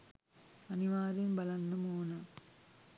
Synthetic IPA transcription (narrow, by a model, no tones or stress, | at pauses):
ɐnɪʋaːɾɪnbɐlɐnːɐmoːnɐ